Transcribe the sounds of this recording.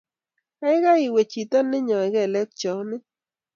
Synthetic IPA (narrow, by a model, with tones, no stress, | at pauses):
a˦ɪ˦ɣa˦i˨we˨t͡ʃi˨t̪ɔ˦nːɪ˦ɲɔ˨ɛ˨ɣɛ˦˨lɛ˦k̚t͡ʃɔ˨nɪ˦